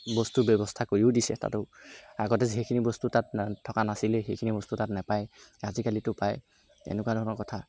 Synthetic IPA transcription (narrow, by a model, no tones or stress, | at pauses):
bɔstubɔbɔstʰakoɹiudisɛta̰tʊaɡɔtɛzɦejkʰinibɔstutat̚ʰːɔkanasilɛxejkʰinibɔstutatnɛpajazikalitʊpaj | ḛnɛkuadʱɔɦɔnɔɹkɔtʰa